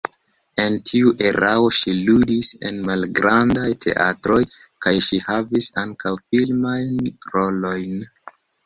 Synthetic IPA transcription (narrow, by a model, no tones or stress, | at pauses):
e̞ntʰiuʔe̞ɾao̞ʃiludise̞̰nmalɡɾandajtʰe̞̰ʔa̰tɾo̞j | kajʃihavisaŋkawfilmajnɾo̞lo̞jn